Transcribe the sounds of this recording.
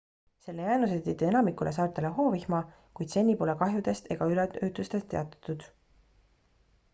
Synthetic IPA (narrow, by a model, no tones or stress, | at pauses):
se̞lːejæːnus̬et̪ːit̪ːie̞nɑmikːulʔesɑːrt̪ˑeleɦo̞ːvihmɑ | kujd̪̥se̞nʲːipo̞lekɑɦjud̪e̞st̪e̞ɡ̥ɑyleøːt̪ːˑust̪e̞st̪ːˑe̞ɑt̪ːˑɑ̥t̪ːud̪̥